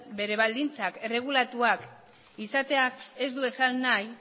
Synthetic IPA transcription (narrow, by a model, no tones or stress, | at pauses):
be̞ɾe̞βald̪int͡sake̞re̞ɣ̞ulat̪uak | isat̪e̞ake̞zd̪ue̞salnaj